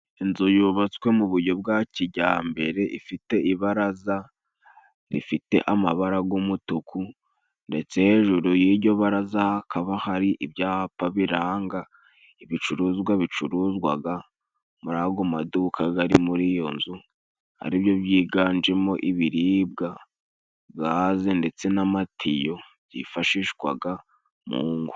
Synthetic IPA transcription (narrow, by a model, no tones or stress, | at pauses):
inzojuːβat͡swe̞muβuɾɟo̞b̚ɡaciɟaːmbe̞ɾe̞ʔḭfite̞iβaɾaza | ɾḭfite̞̰ʔamaβaɾaɡumutukʰu | nde̞t͡se̞he̞ʒuɾujiɟo̞βaɾazahakʰaβahaɾiʔibjaːhapaβiɾaːŋɡa | iβit͡ʃuɾuːzɡwaβit͡ʃuɾuzɡwaɡa | muɾaɡomadukʰaɡaɾimuɾijo̞nzu | ha̰ɾibjo̞βjiːɡaːnd͡ʒe̞mo̞ʔiβiɾiːbɡa | bɡaːze̞nde̞t͡se̞namatʰijo̞ | jḭfaʃiʃɡwa̰ɡa | mṵːŋɡu